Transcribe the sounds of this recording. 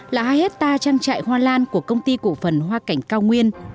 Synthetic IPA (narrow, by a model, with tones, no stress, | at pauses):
laː˨˩haː˧jhe˦˥t̚t̪aː˧t͡ɕaː˧ŋt͡ɕa̰ː˧˨jhwaː˧laː˧nku˧˩əkə˧wŋ͡mt̪i˧kṵ˧˨fə˨˩nɦwaː˧ka˨˩jŋ̟kaː˧wŋwi˧ən